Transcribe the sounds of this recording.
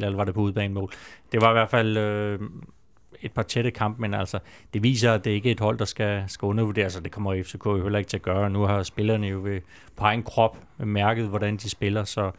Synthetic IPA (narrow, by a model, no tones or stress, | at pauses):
lelɐʋɑ̈ɾe̝pʰɒ̽uð̞ˠb̥ɛ̰ːnmɔ̰ːld̥e̝ʋɑ̈iʋæɐfæl̰ø | e̝d̥̚pʰɑ̈t͡sʰeɾəkʰɑ̈m̰b̥̚menæl̰sɒd̥e̝ʋḭːs̬ɐæd̥e̝æɐe̝ɡ̥əe̝d̥ɦɒ̽l̰d̥ɑ̈sɡ̥æsɡ̥æɔ̽nɐʋude̝̰ɐsɒd̥e̝kʰɒ̽m̰ɐiefsʰekʰɔ̰johelɐeɡ̥t͡sʰe̝æɐɡ̥ɶːɐnuɦɑ̈sb̥e̝lɐːnəjo̝ʋe̝ | pʰɒɑ̈ɪn̩kʰʁɒ̽b̥mæɐɡ̥əð̞̩ˠʋɒɾænd̥isb̥e̝lɐsɒ̽